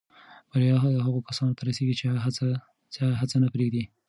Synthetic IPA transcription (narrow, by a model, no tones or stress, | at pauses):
baɾjɑɦd̪əɦaɣokasɑnot̪ʰaɾaseɡit͡ʃeaa | t͡saɦat͡sanapɾeɡd̪i